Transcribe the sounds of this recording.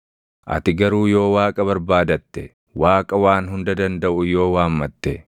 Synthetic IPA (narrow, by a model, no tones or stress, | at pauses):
ʔɐ̰t̪ɪɡɐɾuːjo̞ːwaːkʼɐbɐɾbaːd̪ɐt̪ːɛ | waːkʼɐwaːnɦʊnd̪ɐd̪ɐnd̪ɐʔʊjo̞ːwaːmːɐt̪ːɛ